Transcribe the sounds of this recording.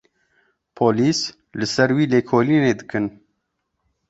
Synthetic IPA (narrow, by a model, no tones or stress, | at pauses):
pʰoːliːs | lɨsɛɾwiːleːkʰoːliːneːd̪ɨkɨn